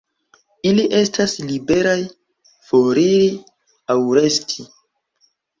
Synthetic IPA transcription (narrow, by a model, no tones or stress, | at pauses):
iliʔe̞staslibe̞ɾaj | foɾiɾi | awɾe̞stʰi